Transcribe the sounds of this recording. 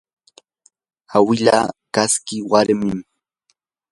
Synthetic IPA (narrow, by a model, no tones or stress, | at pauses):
awɪʎa̰ːkaskɪwaɾmɪm